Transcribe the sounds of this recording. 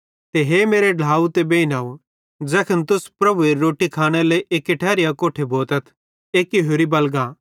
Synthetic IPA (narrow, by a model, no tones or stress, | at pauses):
t̪eɦemeːɾeɖʱaːut̪ebeːɪnaːu | d͡zɛːkʰənt̪ʊspɾɐbueːɾːoːʈikʰaːɽ̃eleʔeːkeʈʰɛːɾijakoːʈʰebʱoːt̪ɐt̪ʰ | eːkiɦoːɾibɐlɡaː